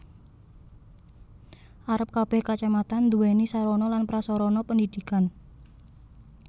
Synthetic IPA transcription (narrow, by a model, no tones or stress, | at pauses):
ʔaɾəp̚kab̥ɛhkat͡ʃamat̪and̪uwɛnisaɾɔnɔlanpɾasɔɾɔnɔpənd̪id̪̥ikan